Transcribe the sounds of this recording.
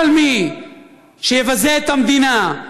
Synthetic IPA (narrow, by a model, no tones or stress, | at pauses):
lmi | ʃeːvɐzeːt̪ɐmd̪ina